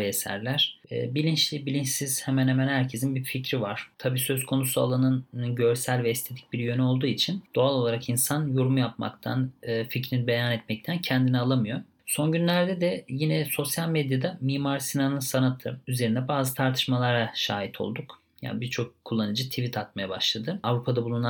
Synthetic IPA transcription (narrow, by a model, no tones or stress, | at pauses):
esæ̰ɾlʲæɾ̥̰ːbilʲint͡ʃlʲibilʲint͡ʃsiz̥hemænhemænhæɾcʰe̞zinbificɾivaɾ̥t̪ʰabiːsø̞zkʰo̞nusua̰lˠanɯnɯɟø̞ɾsælʲvɛist̪ʰe̞d̪i̥c̚biɾjø̞nyo̞lˠd̪uːit͡ʃʰind̪̥oalˠo̞lˠaɾakinsanjoɾumjapma̰kt̪ʰa̰nɯːficɾinibe̞janɛt̪mɛc̚t̪ʰæncʰɛnd̪inialˠamɯjo̞ | so̞nɟynlʲæɾd̪ɛd̪ɛjinɛso̞sjalʲmed̪jad̪amiːmaɾsinanɯnsanat̪ʰɯyze̞ɾind̪ɛbaːzɯt̪ʰaɾt̪ʰɯ̥ʃmalˠaɾaʃaːit̪ʰo̞̰lˠd̪uk | ja̰ːnbiɾt͡ʃʰo̞kʰːulˠːanɯd͡ʒɯt̪ʰivit̪ʰat̪majabaʃlˠad̪ɯavɾupʰad̪abulˠuna